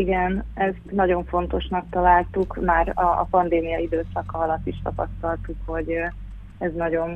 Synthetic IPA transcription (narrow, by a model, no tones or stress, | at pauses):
iɡɛnɛst̪nɒɟo̞ɱfo̞n̪t̪o̞ʃnɒkt̪ɒlaːlt̪ukmaːrɒ̰ːpɒnd̪eːmijɒid̪øːsɒkɒɒlɒt̪ːiʃt̪ɒpɒst̪ɒlt̪ukho̞ɟ | ɛznɒɟo̞n